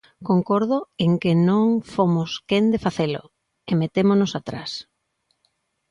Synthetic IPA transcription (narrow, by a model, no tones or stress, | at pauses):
koŋkoɾð̞ʊeŋkenõŋfomʊskend̪efaθelo̰ | emet̪emonʊsat̪ɾas